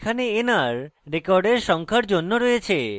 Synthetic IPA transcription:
kʰaneenaɾɾekɔɾɖeɾʃɔŋkʰaɾd͡ʑonːoɾojet͡ɕʰe

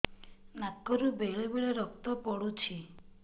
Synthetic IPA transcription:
nakːɔɾubeɦɭebeɭeɾɔk̚t̪ɔpɔɽut͡ʃʰi

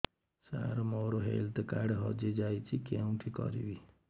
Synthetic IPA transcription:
sa̰ɾmoɾoɦelt̪kaɖɦɔd͡ʒed͡ʒajt͡ʃʰikeũʈʰikɔ̰ɾḭbi

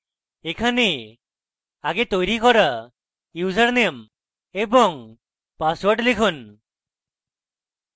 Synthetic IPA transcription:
ekʰane | aɡet̪ojɾikɔɾa | ud͡ʒaɾnem | ebɔŋ | paswɔɾʈlekʰun

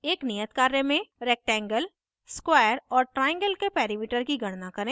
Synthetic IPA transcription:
eːknijət̪kaːɾemẽɾɛːk̚ʈɛ̃ːŋɡəl | skwaːəɾɔːɾʈɾaːɪ̃ŋɡəlkepɛːɾimiːʈəɾkiɡɐɽ̃nakɐɾẽː

